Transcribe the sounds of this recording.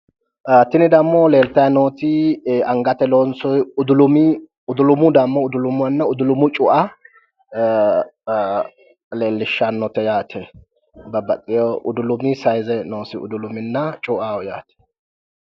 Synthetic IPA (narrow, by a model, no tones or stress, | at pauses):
t̪ɪnɪd̪ɐmːɔleːlt̪ɐjnoːt̪ɪɐŋɡɐt̪ɛlonsɔjʊd̪ʊlʊmɪ | ʊd̪ʊlʊmʊd̪ɐmːɔʊd̪ʊlʊmʊwɐnːɐʊd̪ʊlʊmʊt͡ʃʼʊʔɐ | le̞ːlːɪʃːanːɔt̪ɛjaːt̪ʰɛ | bɐbɐt̪ʼːɪjɔʔʊd̪ʊlʊmɪsɐjzɛnoːsɪʊ̰d̪ʊlʊmɪnːɐt͡ʃʼʊʔaːwɔjaːt̪ɛ̥